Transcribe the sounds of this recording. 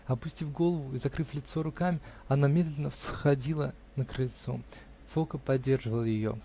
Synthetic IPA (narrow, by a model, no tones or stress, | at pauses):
ɐpʊsʲtʲifɡo̞lˠəvʊizɐkɾɨflʲɪt̪so̞ɾʊkamʲɪɐnamʲe̞d̪lʲɪnəfsxɐdʲilˠə | nəkɾəlʲt̪so̞̰ | fokəpɐdʲːe̞rʐɨvəlˠəjɪjo̞̰